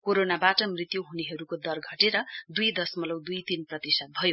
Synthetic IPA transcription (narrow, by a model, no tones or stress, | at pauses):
koɾonabaʈʌmrit̪joɦuneɦʌɾukod̪ʌrɡʱʌʈeɾʌd̪ujd̪ʌsmʌlʌwd̪ujt̪inprʌt̪isʌt̪̚bʱʌjo